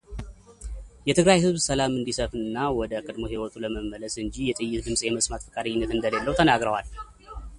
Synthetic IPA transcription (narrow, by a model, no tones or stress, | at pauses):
jɛt̪ʰɨɡɾajhɨzβsəlamɨnd̪isəfɨɨnːawɔd̪əkʼəd̪mo̞ɦewɔt̪ʼuləməmːələsɨɲd͡ʒijɛt̪ʼɨjːɪt̪d̪ɨmsʼjɛməsʼmat̪fəkʼaɾiɲːɪnːət̪ɨnd̪əlelːəwt̪ʰənaɡɾəwal